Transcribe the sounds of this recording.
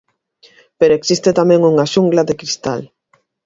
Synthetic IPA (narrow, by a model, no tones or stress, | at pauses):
peɾoeksist̪et̪amɛ̃ŋuŋaʃuŋɡlaðekɾist̪a̰l